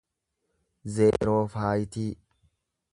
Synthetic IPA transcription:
zeːɾo̞ːfaːjɪt̪iː

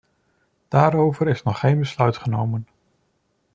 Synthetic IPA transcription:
d̥aːɾowvəɾɪsnɔχːejnbəslœɥtχənowmən

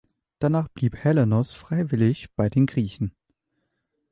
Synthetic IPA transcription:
d̥anaːχb̥liːphɛlanɔsfʁ̥aɪvɪlɪçb̥aɪdeːnɡʁiːçn̩

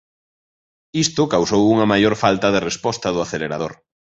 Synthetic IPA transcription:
ist̪ʊkawsowuŋɐmajoɾfalt̪ɐðerespɔst̪ɐðʊaθeleɾaðo̰ɾ

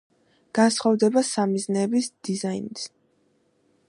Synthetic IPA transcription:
ɡ̥ansχɔvd̪ɛbasamiznɛːbisd̪̥izainis

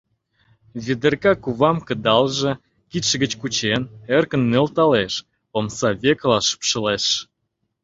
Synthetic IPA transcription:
βid̪ərkɑkuβɑmkə̆d̪ɑlʒĕ | kit̪ʃə̆ɣət͡ɕkut͡ɕenerkə̆nːølt̪ɑleʃ | omsɑβʲeklɑʃə̥pʃə̆leʃ

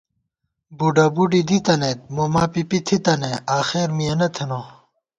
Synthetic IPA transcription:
buɖɐbuɖid̪it̪ɐnet̪̚momaːpipit̪ʰit̪ɐneaːxeːɾmiɐnɐt̪ʰeno

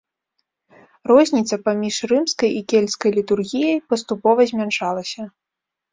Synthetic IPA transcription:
rɔzʲnʲit̪sɐpamʲiʂrɨmskɐjʔikʲelʲskɐjlʲit̪urɣʲijɐjpɐst̪upɔvɐzʲmʲanʂalˠɐsʲɐ

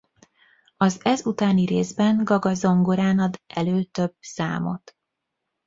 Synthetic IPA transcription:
ɒzɛzut̪aːniɾeːzbɛŋɡɒɡɒzo̞ŋɡoɾaːnɒd̪ɛløːt̪ø̞bsa̰ːmo̞t̪

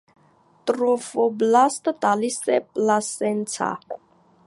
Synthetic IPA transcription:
t̪ʼɾɔfɔblast̪d̪alisɛpʼlasɛnt̪t͡sʰa̰

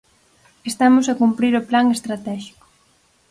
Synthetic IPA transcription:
est̪amosakumpɾiɾoplaŋest̪ɾat̪ɛʃi̥ko̥

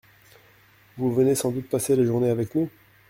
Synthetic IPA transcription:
vuvənesɑ̃d̪ut̪̚paseleʒuʁneavɛknu

